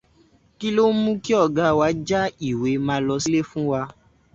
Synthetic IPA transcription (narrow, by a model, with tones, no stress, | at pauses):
ki˦lo˦mũ˦ki˦ɔ˦˨ɡa˦wa˨˦d͡ʒa˦i˦˨we˨˦mãː˧˦lɔ˧si˦le˦fũ˦wa˧